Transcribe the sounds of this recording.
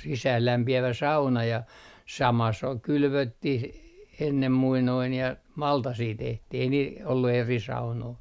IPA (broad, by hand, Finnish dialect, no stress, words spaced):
sisæːlːæmpiæʋæ sɑunɑ jɑ sɑmɑ s ol kylʋøtːih enːem muinoin jɑ mɑltɑsiː tehtih ei niːl olːu eri sɑunoi